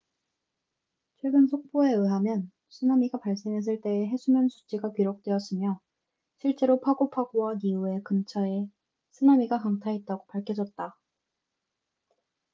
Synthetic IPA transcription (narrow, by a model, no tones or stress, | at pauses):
t͡ɕʰwe̞ɡɯnsʰok̚p͈oe̞ɯɦamjʌn | sʰɯnamiɡapaɭs͈e̞ŋɦe̞s̬͈ʰɯɭt͈e̞ːɦe̞sʰumjʌnsʰu̥t͡ɕ͈ʰiɡakɥiɾok̚t͈we̞ʌs͈ɯmjʌ | ɕʰiɭt͡ɕ͈e̞ɾopʰaɡopʰaɡowaniue̞kɯmt͡ɕʰʌe | sʰɯnamiɡakaŋtʰaet̚t͈aɡopaɭkʰjʌd͡ʑʌt̚t͈a